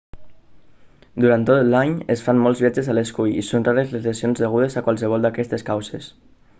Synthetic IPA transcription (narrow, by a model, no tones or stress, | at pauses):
d̪uɾant̪ot̪laɲesfanmɔlˠzβjad͡ʒezaleskujḭsonraɾezlezlesionzðəɣ̞uð̞ezakwalˠsəβ̞ɔlˠd̪akɛst̪eskawses